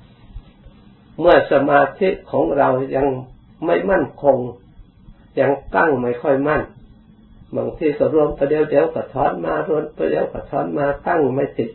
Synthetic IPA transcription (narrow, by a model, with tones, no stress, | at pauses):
mɯ˧˩ɐsa˧maː˧t̪ʰi˧˥ʔkʰɔː˨˦ŋɾa˧wja˧˨ŋ | ma˥˩˨jma˥˨nkʰo˧ŋ | ɲa˧˩ŋt̪a˥˩ŋma˧˩jkʰɔ˧˩˨jma˧˥˨n | ba˨˧˩ŋt̪ʰiː˧ka˧˩ɾu˧əmt̪ɔː˧de˧˦˨wde˨˦˨wkʰa˧˩t̪ʰɔː˧˥˨nmaː˧ɾu˧əmt̪ɔ˧˦de˧˦wkʰa˧˩t̪ʰɔː˧˥˨nmaː˧t̪a˥˩˨ŋma˧˩˨jt̪i˧˩